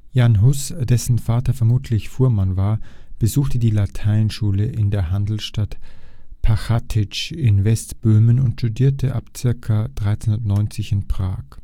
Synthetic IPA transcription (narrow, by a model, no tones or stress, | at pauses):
janɦʊsd̥ɛsn̩faːtɐfɛɐmuːtʰlɪçfuːɐmanvaːɐb̥əzuːxtədiːlatʰaɪnʃuːləʔɪndeːɐɦandl̩sʃtatpʰaxatʰɪt͡ʃɪnvɛstb̥øːmənʊntʃtudiːɐtʰəʔa̰pt͡sɪɐkʰad̥ʁaɪt͡sɛntnɔʏnt͡sɪçɪnpʁ̥a̰ːk